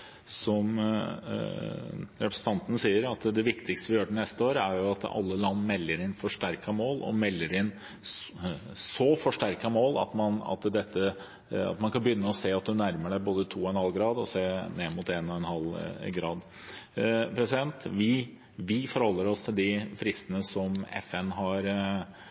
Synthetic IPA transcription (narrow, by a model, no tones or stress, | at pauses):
sɔm | ɾɛpɾəsə̥n̩t̪ʰɑnt̪ən̩siːəɾɑt̪d̪ɛʋɪkt̪ɪkst̪əʋɪjøːʈənɛst̪əoːɾəæɾjʊɑt̪ɑ̰lːəlɑnːmɛlːəɾɪnfɔʂʈæɾkɑmoːlɔ̰mɛlːəɾɪn | sɔfɔʂʈæɾkɑmoːlɑ̰t̪mɑnɑ̰t̪d̪ɛt̪ːə | ɑ̰t̪mɑnkʰɑnbəjʏnːəɔseːɑt̪̚d̪ʉnæɾməɖæɪboːd̪ət̪ʰuːɔɛnhɑlɡɾɑːd̪ɔseːneːmʊt̪eːnɔɛnhɑlɡɾɑːd̪ | pʰɾɛsɪd̪ɛnt̪ʋɪ | ʋɪfɔɾhɔlːəɾɔst̪ʰɪld̪ɪfɾɪst̪ənəsɔmɛ̰fɛnɦɑɾ